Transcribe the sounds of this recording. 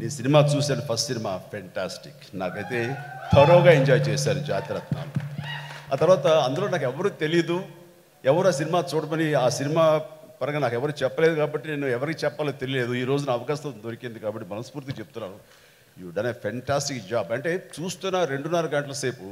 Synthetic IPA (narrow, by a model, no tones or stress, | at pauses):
iːsinimaːt͡ʃuːsaːnupʰɐsʈsinimaːpʰeɳʈaːsʈiknaːkɐjt̪e̞ːt̪ʰɐɾoːɡaːeɲd͡ʒaːjt͡ʃɛːsaːɾud͡ʒaːt̪iɾɐt̪na̰ːlu | a̰ːt̪ɐɾʋaːt̪ɐːnd̪uloːnaːkɛʋːɐɾuːt̪e̞lijɐd̪u | ɛʋɐɾuaːsinimaːt͡ʃuːɽɐmɐniaːsinimaː | pɐɾɐɡɐnaːkɛʋːɐɾuːt͡ʃɛpːɐle̞ːd̪ukaːbɐʈːine̞ːnːuɛʋɐɾikiːt͡ʃɛpːaːlot̪e̞lijɐle̞ːd̪uiːɾo̞ːd͡ʒunɐːʋɐkaːsɐd̪o̞ɾikind̪ikaːbɐʈːimɐnɐspuːɾt̪iɐt͡ʃep̚ut̪unːaːnu | juːɖɐnepʰeɳʈaːsʈikd͡ʒaːbɐɳʈe̞ːt͡ʃuːst̪unːaːɾe̞ɳɖunːɐɾɐɡɐɳʈɐlɐse̞ːpu